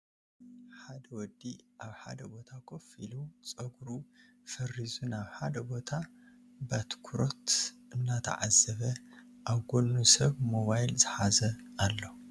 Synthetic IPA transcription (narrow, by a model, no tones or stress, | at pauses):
ħad̪ɐwɔd̪ːiʔaβħa̰d̪ɐbo̞t̪ʰakʰofilut͡sʼɐɡɾu | fɐrizunaβħad̪ɐbo̞t̪ʰa | bat̪kʰuɾo̞t̪ʔɨnːat̪ʰɐ̰ʕa̰zːɐβɐ | ʔaβɡolnusɐβmo̞βajlzɨħazɐʔalːo